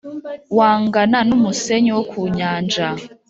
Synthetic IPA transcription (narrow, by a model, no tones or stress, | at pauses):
waŋɡananumusɛɲɔwokʰuɲaːnd͡ʒa